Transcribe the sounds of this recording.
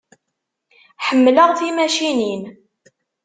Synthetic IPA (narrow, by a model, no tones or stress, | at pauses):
ħəmːləʁθimæʃinin